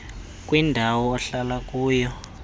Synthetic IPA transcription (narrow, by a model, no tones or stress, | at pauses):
k̬ʼwindʱawɔɔɬalak̬ʼuːjɔ